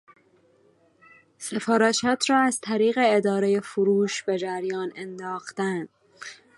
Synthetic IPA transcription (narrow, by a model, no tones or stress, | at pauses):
se̞fɒːɾæʃɒːt̪ʰɾɒːæzt̪ʰæɾiːɣe̞ed̪ɒːɾeje̞foɾuːʃb̥e̞d͡ʒæɾjɒːnend̪ɒːxt̪ænd̪̥